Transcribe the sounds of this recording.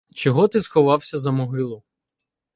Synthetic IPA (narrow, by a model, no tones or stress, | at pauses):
t͡ʃɔɦɔt̪ɪsxɔʋɑwsʲɐzɐmɔɦɪlˠʊ